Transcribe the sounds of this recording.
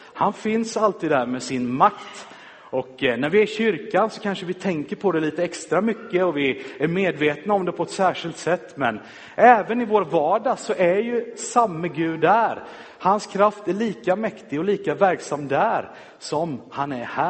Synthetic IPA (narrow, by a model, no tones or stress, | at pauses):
hanfɪnsalt̪ʰiːd̪hæɾmɛːsɪnmakt̪ | ɔknæɾvɪæɾɕʏɾkansɔkʰanʂəvɪt̪ʰɛŋkəɾpʰɔd̪ɛliːt̪əɛkst̪ɾamʏkːəɔvɪæɾmeːd̪veːt̪naɔmd̪ɛpʰɔɛt̪sæːʂɪlt̪sɛt̪ːmɛ̰n | ʔɛːvənɪvoːɾvɑːɖasɔʔæɾjɵsamːəɡʉ̟ːd̪hæɾ | hanskʰɾaft̪æɾɭiːkamɛkt̪ɪɡɔliːkavæɾksamːd̪æɾ | sɔmhanæɾhæː